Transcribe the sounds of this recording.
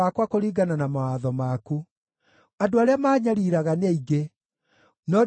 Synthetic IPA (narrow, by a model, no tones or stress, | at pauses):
akwakoɾiːɡananamawaːðɔmaku | adoaɾeamaːɲaɾiɾaɣaneiɡe | nɔ